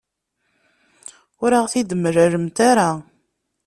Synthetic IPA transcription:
ʊɾaʁθid̪əmɾæɾəmt̪aɾa

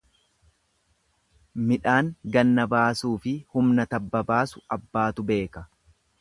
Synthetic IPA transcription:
mɪᶑaːŋɡɐnːɐbaːsuːfɪhʊmnɐt̪ɐbːɐbaːsʊ̥ɐbːaːt̪ʊbe̞ːkɐ

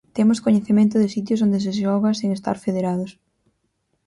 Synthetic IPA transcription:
t̪emʊskoɲeθemẽnt̪ʊðɪsit̪̬jʊsond̪ɪs̬ɪʃɔɣɐseŋest̪a̰ɾfeðeɾaðʊs

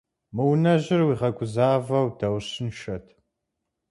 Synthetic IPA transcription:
mɨwnɐʑɪrwiːʁɐkʷʼʊzaːvɐwdɐwɕɪnʃɐtʰ

